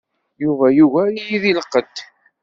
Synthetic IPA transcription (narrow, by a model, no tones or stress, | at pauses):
juvæjuvæijiðiləqːəd̪